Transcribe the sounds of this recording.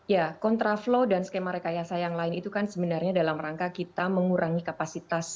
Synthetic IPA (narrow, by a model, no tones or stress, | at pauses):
jakɔnt̪ɾaflodansə̥kemaɾekajasajaŋlaɪnit̪ukansəbənarɲadalamraŋkakit̪aməŋuɾʔaŋikapasit̪as